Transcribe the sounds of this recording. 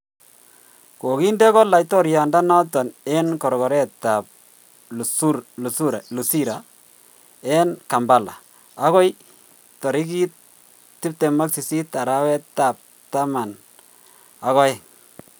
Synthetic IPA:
ko˨ki˦ndɛ˦kɔ˦la˨jtɔ˦ɾja˨nda˦nɔ˦tɔ˨nɛ˦nkɔ˨ɾkɔ˨ɾɛ˦ta˨p̚ | lsuɾlu˨su˦ɾa˨lu˨si˦ɾa˨ | ɛ˦nka˨mba˨la̰˨ | a˦kɔ˦j | tɔ˨ɾi˦ki˦t̚ | tːɪ˦p̚tɛ˨ma˦ksi˨si˦ta˨ɾa˦wɛ˦ta˨p̚ | ta˦ma˨n | a˦kɔ˦j

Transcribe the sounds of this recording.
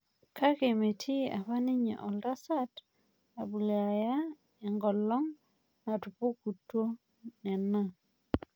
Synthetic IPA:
kʰa˦ke˨me˨tʰi˦a̰˨pa˦nɪ˦ɲḛ˨ʔɔ˨lda˦sa˦t | a˨bu˨la˨ja˦ | ɛ˨ŋɡɔ˨lɔ˦ŋ | na˨tu˨po˦ku˨tːwo˦ | nɛ˨na˦˨

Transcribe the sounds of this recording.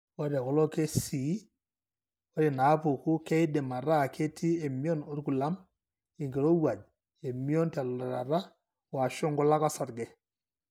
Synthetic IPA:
wa˦da˨kɔ˦lɔ˦ke˦si˨˦ | wɔ˦ɾi˨na˨˦pʊ˨ku˦kɛ˦jdɛ˨ma˨ɾa˦˨kʰe˦tʰi˦e˨mjɔ˦no˦ɾku˨la˦m | ɪ˨ŋɡe˨ɾo˦wa˨d͡ʒ | e˨mjɔ˦nta˨lɔ˨a˨ɾa̰˨ɾa˦ | wa˨ʃɔ˦ŋɡɔ˦la˦ka˦sa˨ɾɡɛ˨

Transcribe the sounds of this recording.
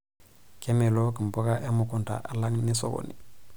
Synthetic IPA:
ke˦me˨lo˦ki˨mbo˦ɡa˦ʔa˦mu˨ku˨nta̰˨ʔa˨la˦ŋni˦so̰˦ɡo̰˨nḭ˨

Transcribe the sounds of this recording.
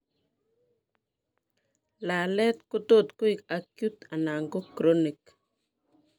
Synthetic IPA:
la˨lɛ˦t̪ku˦to˦˨t̪ku˦i˨ka˨kju˦t̪a˨na˨ŋɡo˦kɾo˦ni˨k

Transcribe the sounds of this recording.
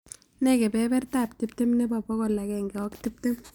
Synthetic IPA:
nɛ˦ke˨pɛpɛ˦rta˨p̚ti˦p̚te˦mne˦pa˨pɔ˦kɔ˨la˨kɛ˨ŋɡɛ˨wɔ˦kti˦p̚te˦m

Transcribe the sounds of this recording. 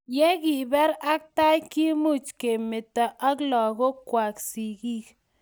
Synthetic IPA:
je˦ɡi˨bɛ˦ɾa˦k̚t̪a˦jki˦mu˦˨t͡ʃke˨me˨t̪a˨ʔa˦klɔ˨ɡo˦kwʷa˨ksi˨ɡi˦k

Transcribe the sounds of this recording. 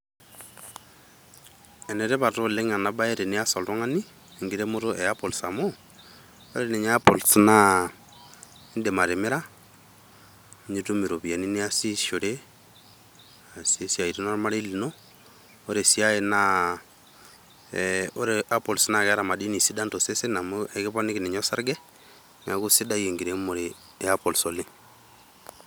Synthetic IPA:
ɛ˨nɛ˨ɾe˦βa˨to˦le˦ŋa˨na˨ba˦e˦ɾe˨ni˦a˦sɔ˨ltɔ˦ŋa˦ni˦˨ | ŋɡi˦ɾe˦mo˦ɾo˦ʔɛ˨a˦po˨lsa˨mo˦ | o˦ɾe˨ne˨ɲɛ˦apo˨lsna˦ | i˦nde˨ma˨ɾe˨me˦ɾa˦ | ɲi˦tu˦mi˨ɾo˨βi˨a˨ni˦ni˦a˦si˦ʃo˨ɾe˦ | a˨si˦sja˨i˨ti˦nɔ˦ɾma˦ɾe˦li˨no˦ | o˦ɾe˨si˦a˦e˨na˦ | o˦ɾe˨a˦po˨lsna˨kɛ˦a˦ɾa˨ma˨di˦ni˨si˦da˦ntɔ˨se˦se˦na˨mu˦ʔɛ˨kɪ˦pa˦ni˦ki˨nɛ˨ɲ˦ɔ˦sa˦ɾɡɛ˦ | n˨a˨ku˦si˦da˦je˨ŋɡi˨ɾe˨˦mo˨ɾe˨˦ | a˦pɔ˨lso˨li˦

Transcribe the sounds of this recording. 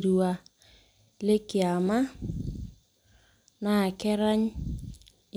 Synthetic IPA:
ɾu˨a˨ | le˦kɪ˨a˨ma˦ | na˦˨kɛ˦ɾa˦ɲ | j

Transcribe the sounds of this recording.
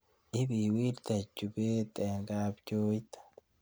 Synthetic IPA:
ʔɪ˦bi˨wiː˦ɾt̪ɐ˨d͡ʒʊ˨beː˦t̪ʼeːŋɡaːbd͡ʒoː˦jt̪ɐ̥

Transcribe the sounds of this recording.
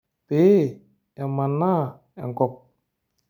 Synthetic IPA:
pe˦ | ja˧˨ma˧nːa˦ | ja̰˨ŋkɔ˨p̚

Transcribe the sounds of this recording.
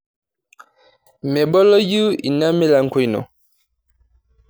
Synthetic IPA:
mɛ˨ɓɔ˦lɔ˦ju˦ḭ˨na˦me˦la˨ŋ̩˦ko˦i˨nɔ̰˨

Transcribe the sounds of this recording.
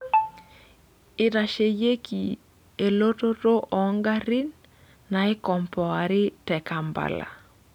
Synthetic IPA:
ɪ˨ɾa˨ʃe˨je˦ki˨ | e˨lo˦to˦to˦ʔɔ˨˦ŋɡa˦ɾi˦nː | a˨ɪ˦kɔ˨mpɔ˨a˨ɾɪ˦tɛ˨ka˨mba̰˨la̰˨

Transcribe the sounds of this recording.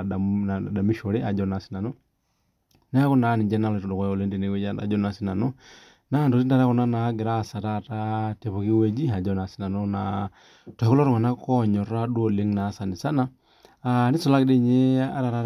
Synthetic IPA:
ana˨da˨mi˦ʃɔ˨ɾi˦a˨d͡ʒɔ˦na˨si˦na˨nɔ˦ | na˦ku˦na˨˦ni˨d͡ʒɛ˦na˦lɔtɔ˨dɔ˨kɔ˨li˦ndi˨ni˦wɛ˦d͡ʒaa̰˨d͡ʒɔ˦na˨si˦na˨nɔ˦ | na˦˨ndu˨ti˦nda˦ɾa˦ku˨na˦na˨˦ɡi˨ɾa˦sa˨ta˨tate˨βu˨ki˦wɛ˦d͡ʒi˦a˨d͡ʒɔ˦na˨si˦na˨nɔna̰ | tɔ˨i˨ku˦lɔ˦ɾu˦ma˨na˦kɔɲɔ˨ɾa˦ɗu˦o˨li˦ŋna˨˦sa˨ni˨sa˦naː˦ | ni˦su˨la˦ki˦di˦ɲɛ˦a̰˦ɾa˨ɾa˦

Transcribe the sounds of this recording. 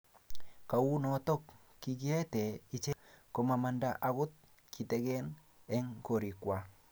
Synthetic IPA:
ka˨wu˦nɔ˨tɔ˦kː | i˨k̬i˦ɛ˦tɛ˨i˨t͡ʃe˦ko˨ma˨ma˨ndaʔa˨kʊ˦t̪̚ | kʰi˨tɛ˦kɛ˦n | ɛ˦ŋko˨ɾi˨kwa˨

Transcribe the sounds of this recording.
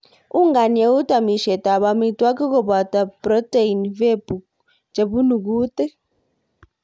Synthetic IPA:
u˦ŋɡa˨nɛ˨u˦tʼa˨mi˨ʃɛ˨tʼa˨βa˨mi˨tʼwa˦ki˦k̬ɔ˦ɓa˨tʼa˨prɔ˦tʼe˦˨i˨nvɛ˦bu | d͡ʒe˨bu˦nu˨k̬uː˦tʼɛ˦

